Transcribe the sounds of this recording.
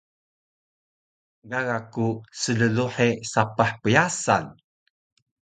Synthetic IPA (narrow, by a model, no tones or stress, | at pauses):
ɡaɣakusələluħesapaħpəjasa̰n